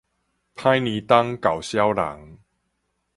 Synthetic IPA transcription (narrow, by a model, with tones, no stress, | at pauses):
pʰã˦jnĩ˨˦t̪a˦ŋka˨˩wɕja˦wla̰˨˦ŋ